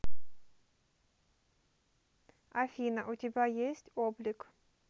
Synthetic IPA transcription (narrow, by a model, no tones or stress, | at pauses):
ɐfʲinəʔʊtʲɪbʲajesʲtʲoblʲɪk